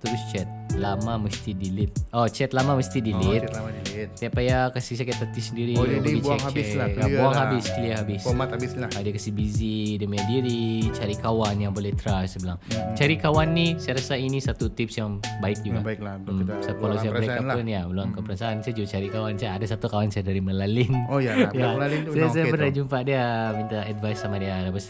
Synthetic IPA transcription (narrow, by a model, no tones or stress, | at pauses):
t̪əɾʊst͡ʃɛt̪̚ | lamaməst̪idilɪt̪̚ɔt͡ʃɛt̪̚lamaməst̪idilɪt̪̚t̪siapajakasis̬akat̪at̪isəndiɾiiiaŋhat͡ʃsaabuaŋhabɪsiaɦabɪsat̪abɪsadakasihbizidəmadiɾit͡ʃaɾikawanjaŋbolɛht̪ɾasəbəlaŋt͡ʃaɾikawanːisajaɾasainisat̪ut̪ɪp̚sjaŋbaɪk̚d͡ʒukaaiklamsajapkkalasajabɾekaunjabəlaŋkɔmpəɾansaansajd͡ʒut͡ʃaɾikawansajaːdasat̪ukawansajadaɾiməlalɪnojjalalinusaas̬ajabəɾad͡ʒumpaʔdiamint̪aɛdvajsamadialabəs